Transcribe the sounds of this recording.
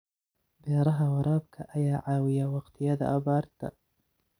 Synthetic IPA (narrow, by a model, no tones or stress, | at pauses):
beːɾˤɑɦawɑɾˤɑːbkʰaʔajaːʕaːwɪjawaqt̪ɪjaːd̪a̰ʔa̰bɑːɾˤt̪a̰